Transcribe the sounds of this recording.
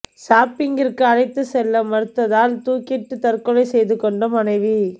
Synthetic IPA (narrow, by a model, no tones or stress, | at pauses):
saːpɪŋɡɪrkɯɐɻɐɪt̪ːɯsɛlːɐmɐɾɯt̪ːɐðaːlt̪uːkɪʈːɯt̪ɐrkɔɻɐɪsɛjðɯkɔɳɖɐmɐnɐɪʋi